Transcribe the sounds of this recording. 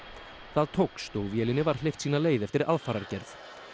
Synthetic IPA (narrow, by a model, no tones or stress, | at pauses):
θaðt̪ʰowkst̪owvjɛlɪnɪvaɾ̥lejft̪siːnaleːjðɛft̪ɪɾʔaðfaːɾaɾcɛɾθ